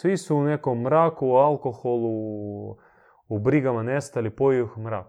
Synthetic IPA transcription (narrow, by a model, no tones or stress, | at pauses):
sʋisuunekomːɾaːkualˠkoxolˠu | ubɾiɡamanest̪alipojiuxmɾa̰ːk